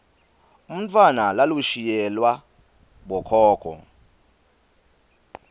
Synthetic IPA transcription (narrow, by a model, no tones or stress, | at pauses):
um̩tʰwanalaluʃijɛlwa | ɓɔkʰɔːkʰɔ̰